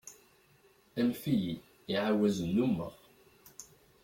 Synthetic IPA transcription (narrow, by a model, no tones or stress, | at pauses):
ænfiji | iʕawæzənːumːə̰ʁ